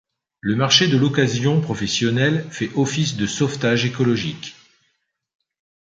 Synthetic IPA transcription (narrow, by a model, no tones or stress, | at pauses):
ləmaʁʃed̪əlɔkazjɔ̃pχɔfɛsjɔnɛlfɛʔɔfisd̪əsɔft̪aʒekɔlɔʒik